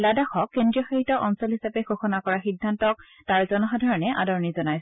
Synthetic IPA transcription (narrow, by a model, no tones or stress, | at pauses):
ladaxɔkːendɹiɔxaɹitɔʔɔnsɔlɦisapɛxoxɔnakɔɹaxidʱːantɔk̚ | taɹzɔnɔxadʱaɹɔnɛʔa̰dɔɹɔnizɔnajs